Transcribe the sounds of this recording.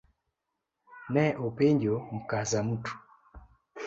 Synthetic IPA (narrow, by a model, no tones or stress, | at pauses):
nɛʔopeɲd͡ʒom̩kazamutu̥